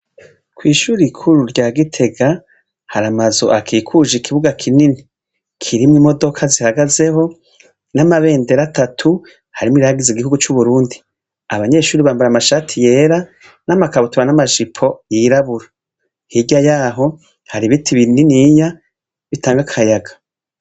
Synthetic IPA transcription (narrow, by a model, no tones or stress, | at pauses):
kwiːʃuːɾikʰuɾuɾɟaːɡitʰe̞ɡa | haɾamazo̞̰ʔakʰikʰuʒikʰiβuɡakʰinini | kʰiɾimwimo̞do̞kʰazihaɡaze̞ho̞ | namaβe̞ːnde̞ɾatatʰu | haɾimiɾaɡiziɡihuɡut͡ʃuβuɾuːndi | aβaɲe̞ʃuːɾiβaːmbuɾamaʃaːtʰije̞ːɾa | namakaβutuβanamaʒipʰo̞jiɾaβuɾa | hiɟajaːɦo̞ | haɾiβitʰiβininiːɲa | βitaːŋɡakʰajaɡḁ